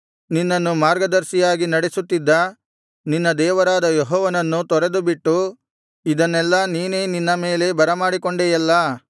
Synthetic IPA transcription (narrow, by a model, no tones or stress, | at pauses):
ninːɐnːumaːɾɡɐd̪ɐɾsijaːɡinɐɽesut̪ːid̪ːɐ | ninːɐd̪ɛːʋɐɾaːd̪ɐjɔɦɔːʋɐnɐnːut̪ɔɾed̪ubiʈːu | id̪ɐnːɛlːɐniːne̞ːninːɐme̞ːle̞bɐɾɐmaːɽikoɳɖeːjɐlːɐ